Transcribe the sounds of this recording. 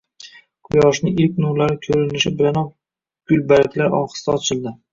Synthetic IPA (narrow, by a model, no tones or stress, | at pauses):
qʰʊjɒʃnɪɪlk̚ʲnʊɾlaɾɪkʲʰɵɾɪnɪʃɪbɪlanɒ | ɡ̥ʊlbalɪkʲlaɾʔɒ̰χɨ̥st̪aɒt͡ʃʰɪld̪ɪ